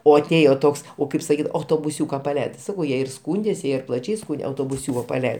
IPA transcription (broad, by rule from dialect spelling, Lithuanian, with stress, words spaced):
oː ɐˈtʲeːjoː ˈtoːks ˈoː ˈkɐɪp sɐˈkʲiːt ɐʊtoːbʊˈsʲuːkɐ pɐˈlʲɛɪdɐɪ tʲɪ ˈsɑːkɐʊ ˈjiɛ ɪr ˈskuːnʲdʲeːs ˈjiɛ ɪr plˠɐˈt͡ʃʲɛɪ ˈskuːnʲdʲɛ ɐʊtoːbʊˈsʲuːkoː pɐˈlʲɛɪ